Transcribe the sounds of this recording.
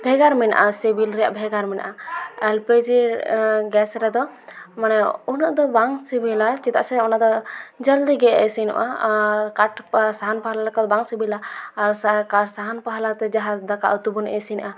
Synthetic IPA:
bʱɛɡaɾmɛna̰ʔasibilɾɛja̰ʔbʱɛɡaɾmɛna̰ʔaɛlped͡ʒiɾɡɛsɾɛd̪ɔmanɛunɔʔd̪ɔbaŋsibilat͡ʃɛt̪a̰ʔsɛɔnad̪ɔd͡ʒald̪iɡɛɛ̰sinṵʔaaɾkaʈpsaɦanpaɦalalɛkɔt̪̚baŋsibilaːɾsakasaɦanpaɦalat̪ɛd͡ʒaɦad̪aka̰ʔut̪ubunʔɛ̰sinʔa

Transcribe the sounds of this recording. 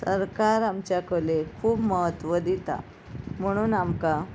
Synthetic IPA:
səɾkaɾamt͡ɕjakəlekʰuːbməɦət̪ʋəd̪it̪a̰ | m̤əɽ̃uːnamka

